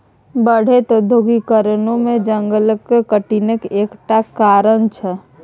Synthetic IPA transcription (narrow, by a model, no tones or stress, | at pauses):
bəɽ̤et̪od̪ʱoɡikəɾənõmẽd͡ʒəŋɡələkːkəʈinəkeːkʈakaːɾənt͡ʃʰɛ